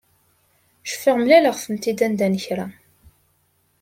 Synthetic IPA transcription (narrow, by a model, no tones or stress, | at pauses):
ʃə̥fːiʁmlæləʁθəmt̪id̪ænd̪ænəçɾæ